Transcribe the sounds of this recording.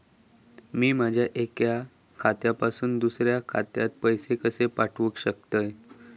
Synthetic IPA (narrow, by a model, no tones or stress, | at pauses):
miːmad͡ʑʱjaʔekja | kʰat̪japasuːnd̪usɾjakʰa̰t̪jat̪̚pəjsekəsepaʈʰʋəkɕəkt̪əj